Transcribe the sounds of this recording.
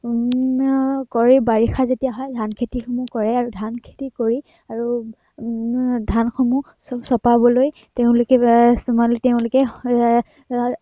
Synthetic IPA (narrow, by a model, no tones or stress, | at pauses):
kɔɹibaɹixazetijaɦɔjdʱankʰetixomukɔɹɛaɹudʱankʰe̥tikoɹi | aɹu | dʱanxomu | sɔpabɔloj | teʊ̃lʊkɛsmalteʊ̃lʊkɛ